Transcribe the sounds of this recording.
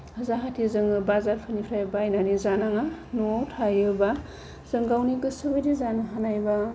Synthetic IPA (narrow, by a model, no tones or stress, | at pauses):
hɐzaɦatʰizɯŋɯbazaɾpʰanipʰɾajbajnanizanaŋanotʰajɯba | z̥ɯŋɡawniɡɯsɯbɯjdizanɯɦanajba